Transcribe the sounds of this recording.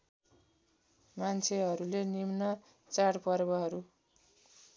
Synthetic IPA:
mant͡sʰeɦʌɾulenimnʌ | t͡saɽpʌrbʌɦʌɾu

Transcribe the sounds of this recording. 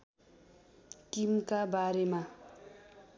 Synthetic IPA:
kimkabaɾema

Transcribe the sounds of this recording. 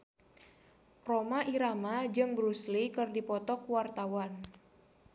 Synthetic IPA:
romaʔiɾamad͡ʒɨŋbɾuslikɨrdipɔt̪ɔkuwart̪awan

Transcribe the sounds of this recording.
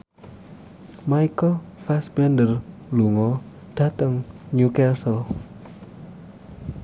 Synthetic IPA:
majkəlfɛsbɛndərluŋɔ | d̥at̪əŋɲukɛsəl

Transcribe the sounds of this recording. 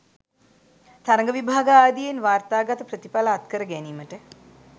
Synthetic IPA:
t̪aɾəŋ̆ɡəʋibʱaːɡəaːd̪ijenʋaːrt̪aːɡat̪əprət̪ipaləat̪kəɾəɡæniːməʈə

